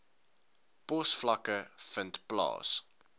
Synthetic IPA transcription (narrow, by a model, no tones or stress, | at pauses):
pɔsflɐkəfəntplɑ̰ːs